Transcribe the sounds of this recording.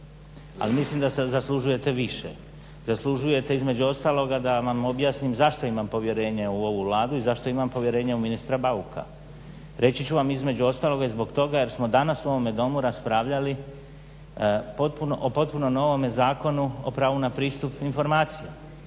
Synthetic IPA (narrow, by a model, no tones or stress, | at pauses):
a̰limislimd̪asezaslˠuʒuje̞t̪e̞ʋiʃḛ | z̥aslˠuʒuje̞t̪e̞izme̞d͡ʑuo̞st̪aːlˠo̞ɡad̪aʋamo̞bjaːsnimzaʃt̪o̞imampo̞ʋje̞ɾe̞ːɲeuo̞ʋuʋlˠaːd̪uizaʃt̪o̞imampo̞ʋje̞ɾe̞ːɲeuminist̪ɾabaukʰa̰ | ɾʔe̞t͡ɕit͡ɕuʋamizme̞d͡ʑuo̞st̪aːlˠo̞ɡaizbo̞ɡt̪o̞ɡaje̞ɾsmo̞d̪anasuo̞ʋome̞d̪o̞muɾaspɾaːʋʎali | pot̪punoʔopo̞t̪̚punomno̞ʋo̞mezaːko̞nuo̰pɾaːʋunapɾiːst̪upinfo̞ɾmaːt̪sije